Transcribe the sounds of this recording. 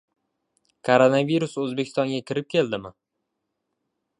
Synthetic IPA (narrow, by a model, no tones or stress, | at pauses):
kʰoɾonaviɾusɵzbekʲʰɪst̪ɒŋɡʲakʲʰɪɾɪp̚kʲʰe̞ld̪ɪmɪ